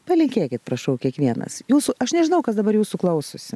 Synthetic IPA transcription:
pɐlʲɪŋʲkʲeːkʲɪt̪pɾɐʃɐʊkʲiɛkʋʲiɛnɐ̰sjuːsʊɐʃnʲɛʒʲɪnɐʊkɐsd̪ɐbɐɾjuːsuklˠɐʊsʊsʲɪ

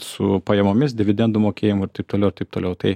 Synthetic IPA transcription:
sʊpɐjɛmoːmʲɪsd̪ʲɪʋʲɪd̪ʲɛnd̪ʊmoːkʲeːjɪmʊɪɾt̪ɐɪp̚t̪oːlʲɛʊɪɾt̪ɐɪp̚t̪oːlʲɛʊt̪ɐɪ

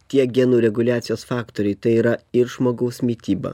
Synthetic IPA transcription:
t̪ʲiɛɡʲɛnuːɾʲɛɡʊlʲæːt̪sʲɪjoːsfɑːkt̪oːɾʲɛɪt̪ɐɪiːɾɐɪɾʒmoːɡɐʊsʲmʲiːt̪ʲiːbɐ̰ː

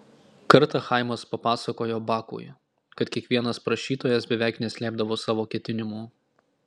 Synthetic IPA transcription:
kɐɾt̪ɐxɑˑɪmɐspɐpɑːsɐkoːjoːbɑːkṵːj | kɐt̪kʲiɛkʋʲiɛnɐspɾɐʃʲiːt̪oːjɛsbʲɛʋʲæˑɪknʲɛsʲlʲæːb̚d̪ɐʋoːsɑːʋoːkʲɛt̪ʲɪnʲɪmuː

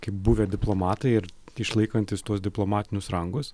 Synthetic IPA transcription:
kɐɪp̚buʋʲed̪ʲɪplˠoːmɑːt̪ɐɪɪɾ | ɪʃlˠɐɪkɐnʲt̪ʲɪst̪uɔsd̪ʲɪplˠoːmɑːt̪ʲɪnʲʊsɾɐŋɡʊs

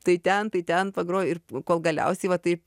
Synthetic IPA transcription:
t̪ɐɪt̪ʲɛnt̪ɐɪt̪ʲɛnpɐɡɾoːjɪrkoːlˠɡɐlʲɛ̰ʊsʲɛɪʋɐt̪ɐɪ

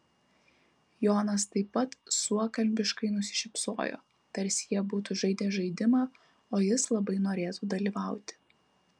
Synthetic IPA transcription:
joːnɐst̪ɐɪpːɐt̪suɔkɐlʲbʲɪʃkɐɪnʊsʲɪ̥ʃʲɪpsoːjo̰ː | t̪ɐɾʲsʲjiɛbuːt̪uʒɐɪd̪ʲeːʒɐɪd̪ʲɪmɑː | oːjɪslˠɐbɐɪnoːɾʲeːt̪uːd̪ɐlʲiːʋɑˑʊt̪ʲɪ̥

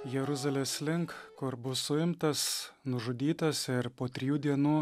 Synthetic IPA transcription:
jɛɾʊzɐlʲeːsʲlʲɪŋkkʊɾbʊsʊɪmt̪ɐsnʊʒʊd̪ʲiːt̪ɐsɪɾpoːt̪ʲɾʲɪjuːd̪ʲiɛnuː

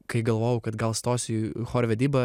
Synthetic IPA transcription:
kɐɪɡɐlˠʋoːjɛʊkɐt̪ɡɐlˠst̪oːsʲixoːɾʲʋʲɛd̪ʲiːbɐ

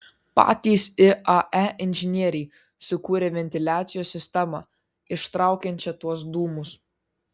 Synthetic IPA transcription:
pɑ̰ːt̪ʲiːsɪʔɐʔæʔɪnʲʒʲɪnʲiɛɾʲɛɪ | sʊkuːɾʲeʋʲɛnʲt̪ʲɪlʲæːt̪sʲɪjoːsʲːɪsʲt̪ʲɛmɑ̰ː | ɪʃt̪ɾɑˑʊkʲɛnʲt͡ʃʲɛt̪uɔsd̪uːmʊs

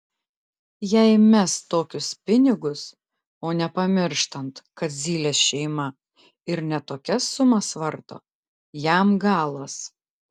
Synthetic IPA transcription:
jɛɪmʲɛst̪oːkʲʊspʲɪnʲɪɡʊs | oːnʲɛpɐmʲɪɾʃt̪ɐnt̪kɐt̪zʲiːlʲeːsʃʲɛɪmɐ | ɪɾnʲɛt̪oːkʲɛsːʊmɐsʋɐɾt̪o̰ː | jæmɡɑːlˠɐs

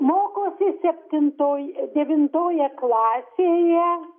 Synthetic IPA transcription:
moːkoːsʲɪsʲɛpʲt̪ʲɪnt̪oːjd̪ʲɛʋʲɪnt̪oːjɛklˠɑːsʲeːjɛ

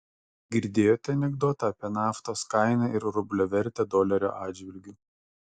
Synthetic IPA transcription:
ɡʲɪɾʲd̪ʲeːjoːt̪ʲɛɐnʲɛɡd̪oːt̪ɐɐpʲiɛnɑːft̪oːskɑɪnɑɪɾɾʊbʲlʲoːʋʲɛɾʲt̪ʲɛd̪oːlʲɛɾʲo̰ːʔɑːdd͡ʒʲʋʲɪlʲɡʲuː

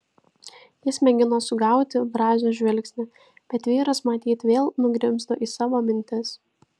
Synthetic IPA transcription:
jɪsmʲɛɡʲɪnoːsʊɡɑˑʊt̪ʲɪbɾɑːzʲoːʒʲʋʲɛlʲˑksʲnʲɪ | b̥ʲɛt̪ʋʲiːɾɐsmɐt̪ʲiːt̪ʋʲeːlˠnʊɡɾʲɪmst̪oʔiːsɑːʋoːmʲɪnʲt̪ʲɪs

